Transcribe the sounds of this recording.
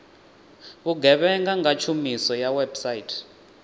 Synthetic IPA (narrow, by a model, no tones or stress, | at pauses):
βuɡʱɛβɛŋɡaŋɡat͡ʃʰumisɔjawɛbsaitʰ